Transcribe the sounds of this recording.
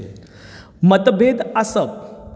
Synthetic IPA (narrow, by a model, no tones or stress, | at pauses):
mət̪bʱed̪asəp̚